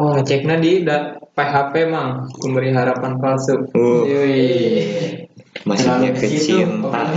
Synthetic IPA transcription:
ɔt͡ʃɛk̚nadidat̪̚peɦapemaŋkumbəɾiɦaɾapanfalsuk̚u | masaɲakəɡitt͡ʃint̪a

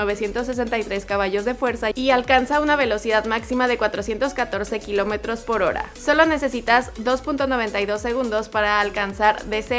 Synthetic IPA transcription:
o̞β̞e̞sje̞nt̪o̞sːes̬e̞nt̪ajt̪ɾe̞skaβaʝo̞zðe̞fwe̞ɾsaialkansaunaβ̞e̞lo̞siðaðmaksimaðe̞kwat̪ɾo̞sje̞nt̪o̞skat̪o̞ɾse̞kilo̞me̞t̪ɾo̞spo̞ɾo̞ɾa̰so̞lo̞ne̞se̞sit̪azðo̞spunt̪o̞noβe̞nt̪ajðo̞sːe̞ɣ̞ũnd̪ospaɾaːlkansaɾðe̞se

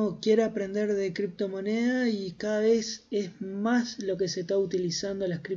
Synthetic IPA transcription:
okje̞ɾoapɾe̞nd̪e̞ɾðe̞kɾip̚t̪o̞mo̞neðaikaðaβe̞sezmaslo̞keset̪aut̪ilisand̪o̞lakɾip

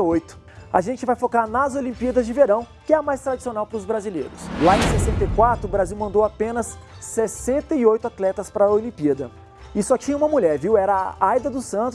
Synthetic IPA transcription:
ojt̪ʊ̥ | a̰ʒẽnt͡ʃɪvajfokaɾnɐzolĩmpiɐd̪ɐzd͡ʒɪveɾɐ̃w̃ | kɪɛɐmajst̪ɾad͡ʒisionawpɾʊzbɾazilḛjɾʊslaẽsesẽnt̪ejkwat̪ɾʊːbɾaziwmɐ̃nd̪owapẽnɐsːesẽnt̪ɐiojt̪ʊat̪lɛt̪ɐspɾɐolĩpiɐd̪ɐ | ɪsɔt͡ʃĩɲɐũmɐmuʎɛɾviwɛɾɐajd̪ɐd̪ʊsɐ̃nt̪ʊ

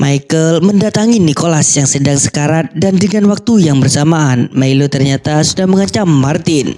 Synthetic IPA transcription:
mʔajkəlməndat̪aŋinikolasjaŋsədaŋsə̥kaɾat̪̚dandəŋanwak̚t̪ujaŋbərsamaːnmailot̪ərɲat̪asudahməŋat͡ʃamːart̪ɪn

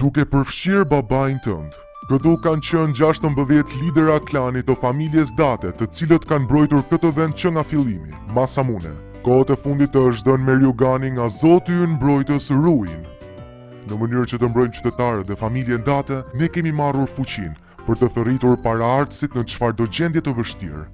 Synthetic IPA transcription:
d̪̥ukɛpəɾfʃiɾbabajnt̪ə̰nd̪ | kət̪ukant͡ɕənd͡ʑaʃt̪əmbəðjɛt̪lid̪ɛɾaklanit̪ːəfamiljɛs̬d̪at̪ɛt̪ət͡silət̪kanbɾɔjt̪uɾkət̪əvɛnd̪̚t͡ɕəŋɡafilˠimḭmasamunɛ̰ | kɔat̪ɛfund̪it̪əʃd̪ɔnmɛɾjɔɡaniŋɡazɔt̪iynmbɾɔjt̪əsɾuin | nəmənyɾt͡ɕət̪əmbɾɔjmt͡ʃy̥t̪ɛt̪aɾɛt̪ðɛfamiljɛnd̪at̪ɛnɛkɛmimaruɾfut͡ɕḭn | pəɾt̪əθərit̪uɾpaɾaaɾt̪əsit̪nət͡ʃfaɾd̪ɔd͡ʑɛnd̪jɛt̪əvəʃt̪ḭɾ

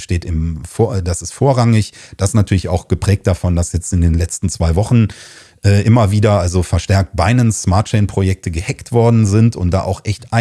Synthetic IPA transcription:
ʃteːtɪmfodasɪstfoːɐʁaŋɪçd̥aɪsnatʰyɐlɪçaʊxɡ̥əpʁ̥ɛːk̚t̚d̥afɔndasjɛt͡stɪndeːnlɛt͡stn̩t͡sv̥aɪvɔχn̩ | ʔɛːʔɪmɐviːdɐʔalzofɛɐʃtɛɐk̚t̚b̥aɪnənsmaːɐt̚t͡ʃɛɪnpʁ̥ojɛk̚tʰəɡəhɛktv̥ɔɐdn̩zɪntʊ̰nt̚d̥a̰ːʔaʊxʔɛçtʔaɪ

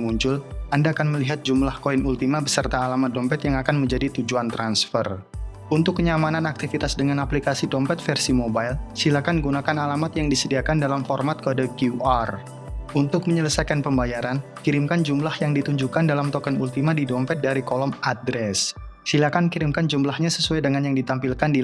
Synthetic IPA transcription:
muɲt͡ʃʊlandaːkanməliɦat̪̚d͡ʒumlahkoinult̪imabəsərt̪aːlamat̪̚dɔmpɛt̪jaŋakanməɲd͡ʒadit̪ud͡ʒuant̪ɾansfər | unt̪ʊkːəɲamananak̚t̪ifit̪asdəŋanaplikasidɔmpɛt̪fɛrsimobajlsilakanɡunakanalamat̪jaŋdisədiakandalamfɔrmat̪̚kəadakuar | unt̪ʊk̚məɲələsajkanpəmbajaɾan | kiɾɪmkand͡ʒumlahjaŋdit̪uɲd͡ʒukandalamt̪ɔkɛnult̪imadidɔmpɛt̪̚daɾikolɔmadɾɛs | silakankiɾɪmkand͡ʒumlahɲasəsuajdəŋanjaŋdit̪ampilkandi

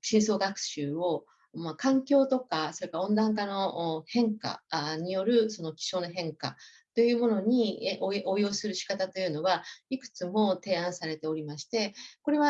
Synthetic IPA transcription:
ɕĩɰ̃so̞ːɡakɯ̟̥ɕɨːo̞ | makãŋkʲo̞ːt̪o̞kaso̞ɾekaõ̞nd̪ãŋk̬ano̞hẽ̞ŋka̰ɲ̟ijo̞ɾɯ̟so̞no̞kʲi̥ɕo̞ːno̞ɦẽ̞ŋka̰ | t̪o̞jɯ̟ːmo̞no̞ɲ̟iʔoʔoːjo̞ːsɨɾɯ̟ɕi̥kat̪at̪o̞jɯ̟ːno̞ɡaikɯ̟̥t͡sɨmo̞t̪e̞ːãɰ̃saɾe̞t̪e̞o̞ɾʲimaɕi̥t̪e̞ko̞ɾe̞βa

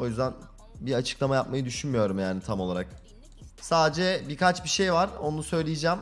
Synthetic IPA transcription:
o̞jyzd̪æn | biɾat͡ʃʰɯ̥klˠamajap̚majɯd̪yʃynmijo̞ɾumjaːnit̪ʰamo̞lˠaɾak̚ | saːd̪ed͡ʒɛbikat͡ʃbiʃe̞jvaɾonunusø̞jlʲijid͡ʒæːm

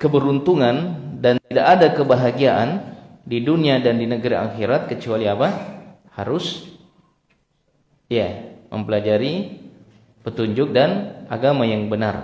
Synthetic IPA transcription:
kəbəɾunt̪uŋandant̪idakadakəbaɦaɡiaʔandiduniadandinəɡaɾia̰xiɾat̪̚kət͡ʃualiapa | ha̰ɾʊs | jamʔə̰mpəlad͡ʒaɾi | pət̪uɲd͡ʒʊk̚dana̰ɡamajaŋbəna̰r

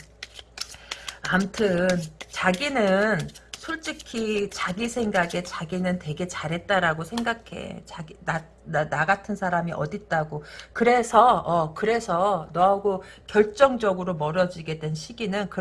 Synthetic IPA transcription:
amtʰɯnt͡ɕaɡinɯnsʰoɭt͡ɕ͈ikʰit͡ɕaɡisʰe̞ŋɡaɡe̞t͡ɕaɡinɯntwe̞ɡe̞t͡ɕaɾɦe̞t̚t͈aɾaɡosʰe̞ŋɡakʰe̞̰t͡ɕaia | naɡatʰɯnsʰaɾamiʔʌ̰dit̚t͈aɡokɯɾe̞sʰʌːkɯɾe̞sʰʌnʌaɡokjʌɭt͡ɕ͈ʌŋd͡ʑʌɡɯɾomʌɾʌd͡ʑiɡe̞dwe̞nɕʰiɡinɯnkɯ

